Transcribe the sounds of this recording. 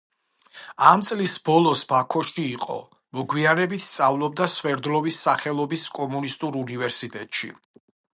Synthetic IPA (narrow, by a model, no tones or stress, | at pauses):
amt̪sʼlisbɔlˠɔsbakʰɔʃiːqʼɔ̰ | mɔɡwianɛbit̪ʰst̪sʼavlˠɔb̚d̪aswɛɾd̪lɔvisːaχɛlˠɔbiskʼɔmunist̪ʼuɾunivɛɾsit̪ʼɛt̪ʼʃḭ